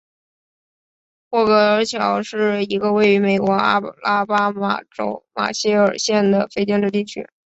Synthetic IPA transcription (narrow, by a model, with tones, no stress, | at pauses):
xwɔ˥˩kɤ˧˥ə˧˥t͡ɕʰjɑ˨˩˦ʊʂɻ̩˥˩i˧˥ɡə˧we˥˩ɪy˧˥me˨˩ɪkwɔ˧˥a˥la˥pa˥ma̰˨˩ʈ͡ʂo̰˧˥ʊma̰˨˩ɕi˥ə˞˨˩ɕjɛ˥˩nd̪ə˩fe˥˧ɪt͡ɕjɛ˥˧nʈ͡ʂɻ̩˥˧t̪i˥˩t͡ɕʰy̰˥